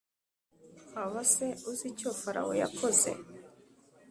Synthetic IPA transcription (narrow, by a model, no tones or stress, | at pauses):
aβaseuzicofaɾa̰wo̰ja̰kʰoze̞̰